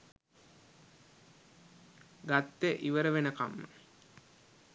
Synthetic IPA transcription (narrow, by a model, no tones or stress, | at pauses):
ɡat̪ːeʔiʋəɾəʋenəkamːə̰